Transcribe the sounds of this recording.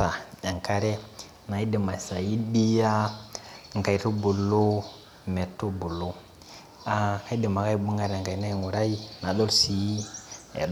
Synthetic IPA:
a˨ja˨ŋka˦ɾe˦ | na˨ji˦di˨ma˨sa˨ji˦bi˦ja˦˨ | ŋka˨i˨tu˦bu˨lːo˦ | me˨tːo˦bu˨lːo˦ | a˨ka˦də˨ma˨ka˦i˦bu˦ŋɡa˦ɾŋka˨i˨˦na˦ji˨ŋu˨ɾa˦i˦na˨ɗo˦lsi˨˦a̰˨

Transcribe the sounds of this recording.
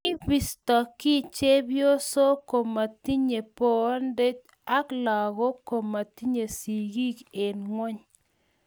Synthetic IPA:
ɪ˦bi˦˨stɔ˨kɪ˦˨t͡ʃe˦bjo˦so˦ko˨mːa˨t̪i˦ɲe˨po˨˦nde˦t͡ʃ | a˦klɔ˨ɡɔ˦ko˨mːa˨t̪i˦ɲe˨si˨ɡi˦ke˨nŋwɛ˦ɲ

